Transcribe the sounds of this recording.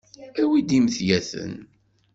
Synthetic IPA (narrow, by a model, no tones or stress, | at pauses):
æwid̪imθjæθə̰n